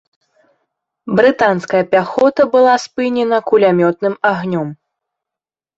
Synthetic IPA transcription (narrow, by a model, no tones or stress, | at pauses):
bɾɨt̪anskɐjɐpʲaxɔt̪ɐbɨlˠaspɨnʲɛnɐkulʲamʲɔt̪̚nɨmaɣnʲɔm